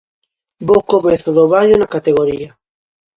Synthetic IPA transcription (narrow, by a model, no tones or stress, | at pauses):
bowkomeθoðoβaɲonakat̪eɣoɾia